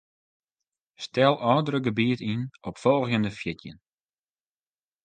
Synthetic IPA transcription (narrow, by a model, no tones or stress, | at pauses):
stɛlˠʔɔːdəɾəɡəbiətinɔpfɔlˠxjəndəfjɪtjə̰n